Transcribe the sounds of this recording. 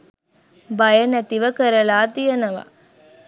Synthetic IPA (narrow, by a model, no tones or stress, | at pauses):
bɐjɐnæt̪iʋɐkɐɾɐlaːt̪ijɐnɐʋa̰